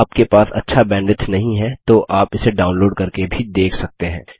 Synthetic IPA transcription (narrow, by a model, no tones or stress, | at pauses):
aːp̚kepaːsɐ̰tːʃʰabɛ̃ːɳɖɪʈnɐɦĩɦɛt̪oʔaːpɪseɖaːʊnloːɖkɐɾkebʱid̪eːkʰsɐk̚t̪eɦɛ̃ː